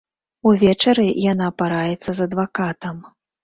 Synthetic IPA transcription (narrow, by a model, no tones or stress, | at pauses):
uvʲɛt͡ʂɐɾɨjanaːpaɾajɛt̪sːɐzɐd̪vakat̪ɐm